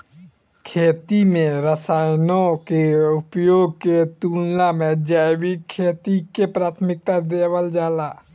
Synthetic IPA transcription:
kʰeːt̪imẽɾəsaːjnõkeʊpjoːɡ̚ket̪uːlnamẽd͡ʒabikʰːeːt̪ikepɾaːt̪ʰmɪk̚t̪ad̪eːwəld͡ʒaːlaː

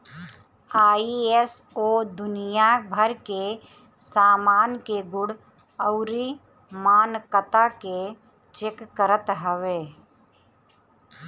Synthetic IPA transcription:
aːiesoːd̪ʊnijabʱəɾke | saːmaːnkeɡʊɽ | əʊɾi | maːnkət̪ake | t͡ʃekːəɾət̪ɦəʋeː

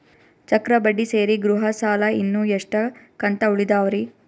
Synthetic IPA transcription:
t͡ʃɐkɾɐbɐɖːise̞ːɾiɡɾuɦɐsaːlɐinːuːjeʂʈɐkɐɳt̪ɐuɭid̪aːʋɐɾi

